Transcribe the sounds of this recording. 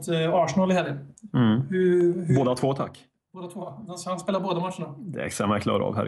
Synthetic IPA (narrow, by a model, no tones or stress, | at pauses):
t̪ɑːʂnɑlɪhɛːlənm̩hɵhboːd̪at̪ʰvoːt̪ʰa̰kː | boːd̪at̪ʰvoːd̪ɛnshanspeːlaɾboːd̪amat̪ːəɳad̪ɛ̰sɛmakʰlɑ̰ːɾɑ̰ːvɦæ̰ɾ